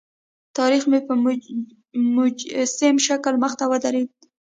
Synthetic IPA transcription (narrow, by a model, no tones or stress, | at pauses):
t̪ɑɾixmepə | mʊd͡ʒsemʃaklməxt̪awəd̪aɾed̪̚